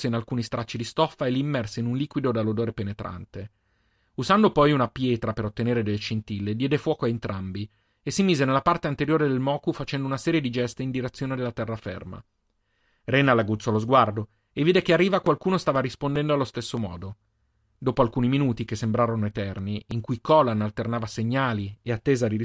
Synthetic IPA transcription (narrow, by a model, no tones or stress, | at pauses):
seinalkuːnist̪ɾʔat͡ʃːid̪ist̪ɔfaeliːmːɛrseinunliːkwid̪od̪alːod̪oːɾepenet̪ɾʔa̰nt̪e | uzand̪opɔjunapjɛːt̪ɾapeɾot̪ːeneːɾed̪elːet͡ʃint̪iled̪jɛːd̪efwɔːkoaent̪ɾambi | esːimiːzenelːapart̪eant̪eɾjoːɾed̪elmɔːkufat͡ʃɛnd̪ounasɛːɾjed̪id͡ʒɛst̪eind̪iɾet̪sːjoːned̪elːat̪ɛrːafḛrma̰ | renalaɡut̪sːɔlozɡward̪o | eviːd̪ekearːiːvakwalkuːnost̪aːvaɾispond̪ɛnd̪oalːost̪esːomɔ̰ːd̪o | d̪oːpoalkuːniminuːt̪ik̟esːembɾaːɾonoet̪ɛrniiŋkujkɔlanalt̪ernaːvaseɲːaːlieat̪ːeːzad̪iɾi